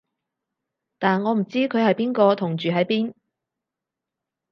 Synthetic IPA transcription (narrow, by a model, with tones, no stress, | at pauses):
t̪aː˨nŋɔː˨˧m̩˨˩t͡siː˥kʰɵ˨˧ɥhɐ˨jpiː˥nkɔː˧t̪ʰʊ˨˩ŋt͡ʃyː˨ɦɐ˨˥jpiː˥n